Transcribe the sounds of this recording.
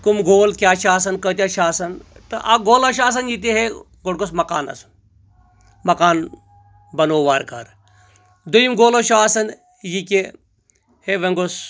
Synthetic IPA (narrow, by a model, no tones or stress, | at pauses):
kumɡoːlkʲjaːt͡ʃʰaːsɐnkət̪ʲjat͡ʃʰaːsɐnt̪ɐʔɐ̰ɡoːlɐʃ̬aːs̬ɐnjit̪̬iɦe | ɡoɽɡosmɐkaːnɐ̰su̥ | mɐkaːn | bɐnoːʋaːɾka̰ɾ | d̪ujimɡoːloʃʰaːsɐn | jikʲe | heʋeŋɡos